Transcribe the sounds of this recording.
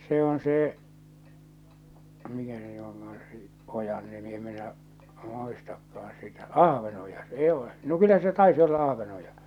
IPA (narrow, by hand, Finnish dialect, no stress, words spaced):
se on seː mikæ se ny oŋkɑɑn se ʔojɑn nimi em minæʔ muistɑkːɑːn̞ sitæ ɑhʋenojɑ s eː ole no kylːæ se tɑisi olːɑ ɑhʋenojɑ